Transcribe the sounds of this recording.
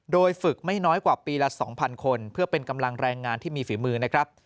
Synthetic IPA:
doː˧jfɯ˨˩k̚ma˥˩jnɔː˦˥jkwaː˨˩piː˧lɛ˦˥sɔ̰ː˩˦ŋpʰa˧nkʰo˧npʰɯ˥˩ɐpe˧nka˧mla˧ŋɾɛː˧ŋːaː˧nt̪ʰiː˥˩miː˧fiː˩˦mɯː˧na˦˥kʰɾa˦˥p̚

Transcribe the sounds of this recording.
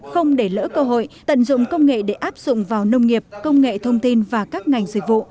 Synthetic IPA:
xə˧wŋ͡mɗe˧˩lə̰ː˧˥kəː˧ɦo̰˧˨jt̪ə̰˧˨nzʊ̰˧˨ŋ͡mkə˧wŋ͡mŋḛ˧˨ɗe˧˩ʔaː˦˥p̚z̥ʊ̰˧˨ŋ͡mvaː˨˩wnə˧wŋ͡mŋi˨˩əp̚kə˧wŋ͡mŋḛ˧˨t̪ʰə˧wŋ͡mt̪i˧nvaː˨˩kaː˦˥k̚ŋa˨˩jŋ̟zɨ̰˨k̚vṵ˧˨

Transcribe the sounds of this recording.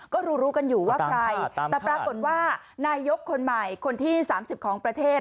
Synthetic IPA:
kɔː˥˩ɾuː˧ɾuː˦˥ka˧njuː˨˩waː˥˩kɾa˧j̪ɛː˨˩pɾaː˧kko˨˩t̪̚waː˥˩ | naː˧jːo˦˥kʰːo˧nma˨˩jkʰo˧nt̪ʰiː˥˩saː˩˦msi˨˩kʰɔː˩˦ŋpɾa˧t̪ʰeː˥˩t̪̚

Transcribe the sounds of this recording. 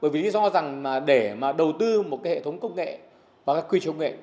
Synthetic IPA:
ɓəː˧˩jvi˨˩li˧zɔ˧za˨˩ŋlaː˨˩ɗe˧˩maː˨˩ɗə˨˩wt̪ɨ˧mo˨˩t̚kaː˨˦jhḛ˧˨t̪ʰə˨˦wŋ͡mkə˧wŋ͡mŋḛ˧˨ | vaː˨˩kaː˦˥kwi˧˩t͡ɕə˧wŋ͡mŋḛ˧˨

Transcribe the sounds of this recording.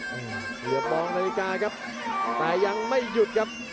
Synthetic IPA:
ʔɯː˧˩˨ | ki˨˩ət̚mɔː˧ŋnaː˧li˧˥kaː˧kʰa˦˥p̚ | t̪ɛː˨˩ja˧ŋma˥˩jːu˨˩t̪̚kʰa˦˥p̚

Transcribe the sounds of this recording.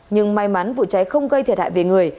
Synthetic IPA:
ɲɨ˧ŋma˨˧˩jma˨˦nvṵ˧˨t͡ɕa˨˦jxə˧wŋ͡mɣə˧jt̪ʰi˨˩t̚ha̰ː˧˨jve˨˩ŋɨ˨˩əj

